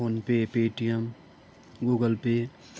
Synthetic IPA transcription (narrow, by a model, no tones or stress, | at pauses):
oːnpepeːʈijəm | ɡuːɡəlpe